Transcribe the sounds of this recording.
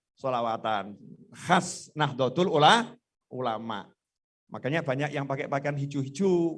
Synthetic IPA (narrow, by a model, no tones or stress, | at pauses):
solawat̪anhasnaɦd̪ɔd̪ʊlulah | ʔulama̰ʔ | makaɲabaɲakjaŋpakeʔpakeanɦid͡ʒuɦid͡ʒu